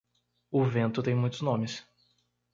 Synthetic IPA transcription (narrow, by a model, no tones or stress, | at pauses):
ʊvẽnt̪ʊt̪ẽj̃mũj̃t̪ʊznõmɪs